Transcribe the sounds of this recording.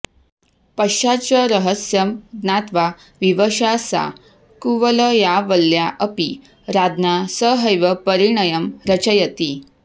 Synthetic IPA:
pəɕat͡ɕəɾəɦəsjəmd̪nat̪ʋa | ʋiʋəɕasa̰ | kuʋələjaʋəlːjaʔəpi | ɾad̪nasəɦəjʋəpəɾiɳəjəmɾət͡ɕəjət̪i

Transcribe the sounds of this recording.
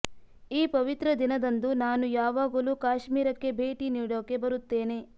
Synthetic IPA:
iːpɐʋit̪ɾɐd̪inɐd̪ɐnd̪unaːnujaːʋaːɡɐluːkaːʃmiːɾɐkːe̞bʱeːʈiniːɽoːke̞bɐɾut̪ːe̞ːne

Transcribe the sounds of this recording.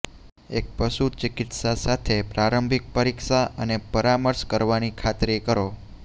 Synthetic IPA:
ek̚pəʃut͡ʃɪkɪt̪sasat̪ʰepɾaɾəmbʱik̚pəɾikʃaənepəɾaməɾʃkəɾʋanikʰat̪ɾekəɾo

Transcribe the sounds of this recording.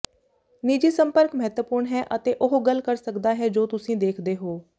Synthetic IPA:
niːd͡ʒiːsəmpəɾkməɦɛt̪wəpʊːɾɳɦɛːʔət̪eːʔʊɦɡəlkəɾsəkd̪aːɦɛːd͡ʒoːt̪ʊsĩːd̪eːkʰd̪eːɦoː

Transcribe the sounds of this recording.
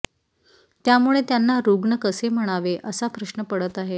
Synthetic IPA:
t̪jamuɭet̪janːaɾuɡɳəkəsem̤əɽ̃aʋeʔəsapɾəɕnəpəɽət̪aɦe

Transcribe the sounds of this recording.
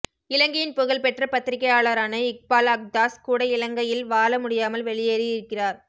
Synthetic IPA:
ɪlɐŋɡɐjɪnpʊɣɐɭpɛʈrɐpɐt̪ːɪɾɪkːɐjaːɭɐɾaːnɐɪk̚paːlɐk̚d̪aːskuːɽɐɪlɐŋɡɐjɪlʋaːlɐmʊɽɪjaːmɐlʋɛɭɪjeːɾɪjɪɾɯkːɪraːɾ

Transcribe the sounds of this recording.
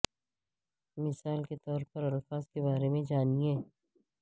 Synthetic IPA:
mɪsaːlket̪ɔːɾpɐɾɐlfaːs̚kebaːɾemẽd͡ʒaːniẽː

